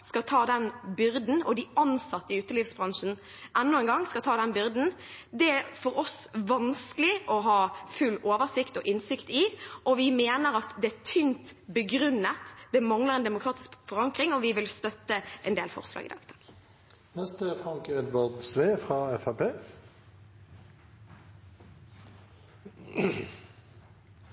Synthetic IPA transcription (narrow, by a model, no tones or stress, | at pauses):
skɑt̪ʰɑːd̪ɛnbʏɾd̪n̩ɔd̪ɪɑnsɑt̪ːəɪʉːt̪əliːfsbʁɑŋʂən | ʔɛnːʊɛŋɡɑŋskɑt̪ʰɑːd̪ɛnbʏɾd̪n̩d̪ɛæfɔɾɔsʋɑnskəlɪʔɔɦɑːfʉlːoːʋəʁsɪkt̪ɔʔɪnsɪkt̪ɪʔɔʋɪmeːnəɾɑt̪d̪ɛæt̪ʰʏnt̪bəɡɾʉnːət̪d̪ɛmɑŋləʁɛnd̪ɛmʊkʰɾɑːt̪ɪ̥skfɔʁɑŋkɾɪŋɔʋɪʋɪlst̪œt̪ːəʔɛnd̪eːlfɔ̰ʁslɑ̰ːɡɪ̰d̪ɑ̰ːɡt̪ʰɑːɡ̥ | nɛst̪əfʁɑŋkɛd̪ʋɑʁd̪sʋeːfʁɑːɛfæpʰeː